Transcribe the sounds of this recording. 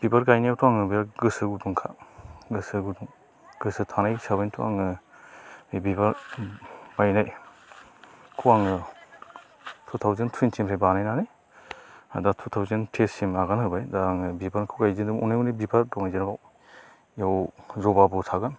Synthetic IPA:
b̥ibaɾɡajnijawtʰuaŋɯbɯjaɡɯsɯɡuduŋkʰa̰ɡɯsɯɡuduŋ | ɡɯsɯtʰanajsabentʰua̰ŋɯ | bibaɾ | bajnaj | kʰuaŋɯ | tʰut̪ʰawzentʰuintʰimɾʰajbanajnanaj | adatʰut̪ʰawzentʰesimaɡanhɯbajdaŋɯbibankʰuɡajzindumɔ̰najunebibaɾdɔŋajziɾbaw | jawzɔbabɔtʰaɡan

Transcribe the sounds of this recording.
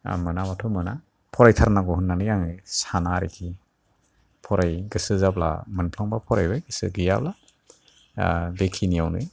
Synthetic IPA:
mɯnamatʰumɯna | pʰɔɾajtʰaɾnaɡɔhunːanɯjaŋɯsanaɾikʰi | pʰɔɾajɡɯsɯzabla̰mɯnpʰlaŋbapʰɔɾajbɯjɡɯsɯdija̰bla | bekʰinijawnɯj

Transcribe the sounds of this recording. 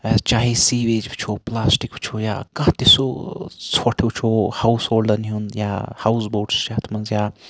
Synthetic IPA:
t͡ʃaːɦisiweːd͡ʒbit͡ʃʰoplaːsʈikbt͡ʃʰoja̰kɐ̃ɦt̪esot͡sʰɔʈʰewt͡ʃʰohawsoːlɖəniɦunja̰hawsboːʈsʃaːt̪ʰmɐnzja

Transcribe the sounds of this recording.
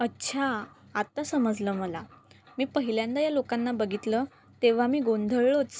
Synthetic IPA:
ətːɕʰa | at̪asəməd͡zləməlamiːpəɦiljãnd̪ajalokanːabəɡʱit̪lə | t̪eʋ̤amiːɡond̪ʱəɭɭot͡s

